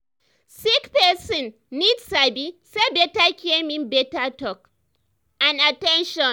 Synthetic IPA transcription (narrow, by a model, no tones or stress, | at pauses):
sikpɛsɔ̃nː | idsabisebɛtakʰʲemĩnbɛtatɔk̚ | ãnatɛ̃nʃɔ̃n